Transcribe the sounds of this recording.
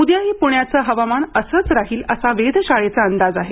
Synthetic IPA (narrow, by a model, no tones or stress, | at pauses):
ud̪jaɦipuɳjat͡səɦəʋamanəsət͡sɾaɦiːləsaʋed̪ʱɕaɭet͡saənd̪ad͡zaɦe